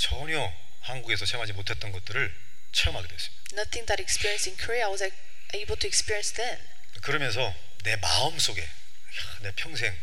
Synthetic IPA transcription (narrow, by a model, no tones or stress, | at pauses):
t͡ɕʌɲjʌ | hanɡuɡesʰʌt͡ɕʰemɦad͡ʑimotʰe̞t̚t͈ʌnɡʌt̚t͈ɯɾɯɭ | t͡ɕʰeʌmɦaɡedwes͈ɯ̥mid̥anʌθɪ̃ŋðæɾɛkspiɹiə̃nstɪ̃nkʰəɹiaaɪwʌza | ʔeɪbl̩ˠtʰuɛkspiɹiə̃nsðɛ̃n | kɯɾʌmjʌns̬ʰʌ | ne̞maɯms͈oɡe̞ | ne̞pʰjʌŋs̬ʰe̞ŋ